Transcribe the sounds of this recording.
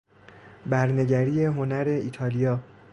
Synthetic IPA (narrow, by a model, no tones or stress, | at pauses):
bæɾne̞ɟæɾiːje̞ɦo̞næɾe̞iːt̪ʰɒːlijɒː